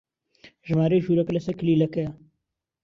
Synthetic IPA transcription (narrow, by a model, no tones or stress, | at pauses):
ʒmaːɾeːʒuːɾɐklɐsɐkliːlɐkɐja